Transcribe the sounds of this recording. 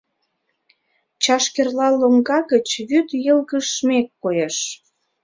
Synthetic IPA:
t͡ɕɑʃkerlɑlːoŋɡɑɣət͡ɕβyt̪jəlɣəʃːmekːojeʃ

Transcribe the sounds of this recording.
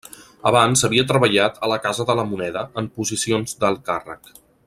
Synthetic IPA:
əβanzəβ̞iət̪ɾəβəʎat̪ʰələkazəðələmunɛðəəmpuzisionzd̪əlˠkarə̰k

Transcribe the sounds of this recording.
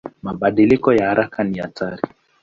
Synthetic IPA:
maɓaɗilikɔjahaɾakʰaniataɾi

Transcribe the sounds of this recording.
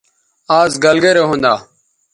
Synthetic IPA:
aːzɡəlɡeːɾeːɦõːnd̪aː

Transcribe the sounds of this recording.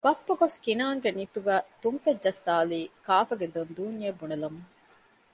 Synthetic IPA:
b̥ɐpːɐɡoskinaːŋɡenit̪uɡæːt̪umfed͡ʒd͡ʒɐsːaːliːkaːfɐɡed̪ond̪uːnjebunelɐmuŋ

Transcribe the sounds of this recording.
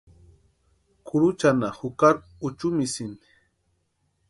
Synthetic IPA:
kʰʊɾut͡ʃanahʊkaɾ | ʊt͡ʃumisini̥

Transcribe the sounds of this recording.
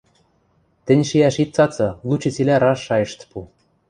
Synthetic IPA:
t̪ɘ̆nʲʃiæʃit̪̚t͡sɑt͡sɤ̆lˠut͡ɕɤ̆t͡silʲæɾɑʃːɑjɤ̆ʃt̪pu

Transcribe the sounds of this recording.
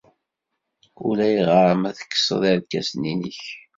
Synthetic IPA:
ulæjiʁɑɾˤəmæðə̥kːsə̰ðˤæɾkːæsninəç

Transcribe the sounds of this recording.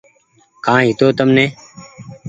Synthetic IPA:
kãːɦɪt̪oːt̪əmneː

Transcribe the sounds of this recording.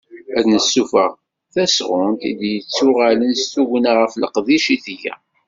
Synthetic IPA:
æðnəsːufəʁ | θæsʁʊnt̪ḭd̪jət͡sːʊʁælənst̪uʝənaʁəfləqðiʃiθjæ̰

